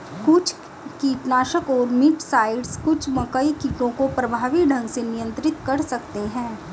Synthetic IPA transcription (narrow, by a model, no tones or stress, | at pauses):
kʊt͡ʃʰ | kiːʈnaːʃəkɔːɾmɪʈsaːɪɖskʊt͡ʃʰmɐkəikiːʈõkopɾɐbʱaːʋiɖʱɐ̃ŋɡsenijə̃nt̪ɾɪt̪kɐɾsɐkt̪eɦɛ̃ː